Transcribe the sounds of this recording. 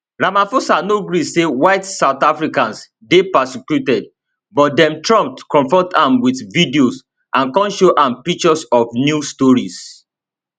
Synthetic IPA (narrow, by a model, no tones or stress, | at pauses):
ɹamãfosanoɡɾisewaɪtsaʊθafɹikãns | depasikjutɛd̚ | bɔt̚dɛ̃mtɹɔ̃mp̚tkɔ̃ɱfɔtʰãmwiθvidios | ʔãnkɔ̃nʃoʔãmpik̚t͡ʃɔsɔfnjustɔɹis